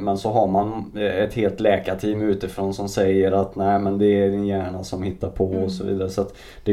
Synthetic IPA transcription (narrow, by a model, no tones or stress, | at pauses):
mɛnsɔɦaɾmanɛt̪heːlt̪lɛːkaʈʰiːmʉ̟ːt̪ɪfɾoːnsɔmsɛjːəɾat̪næɪmɛnd̪ɛæɖɪnjæːɳasɔmhɪt̪ːaɾpʰɔɔsɔvḭːd̪aɾəsɔat̪ | d̪̥ɛ